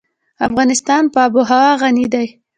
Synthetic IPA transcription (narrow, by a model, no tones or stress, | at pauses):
afɣɑnɪst̪ɑnpəbʊɦawɑɣanid̪aj